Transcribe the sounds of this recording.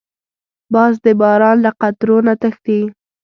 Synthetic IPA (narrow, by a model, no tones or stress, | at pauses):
bɑzd̪əbɑɾɑnlaqat̪ɾonat̪əxt̪i